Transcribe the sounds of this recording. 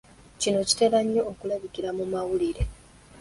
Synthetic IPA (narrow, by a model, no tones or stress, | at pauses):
cino̞ci̥te̞laɲːo̞ːkulaβikiɾamumawuliɾe̞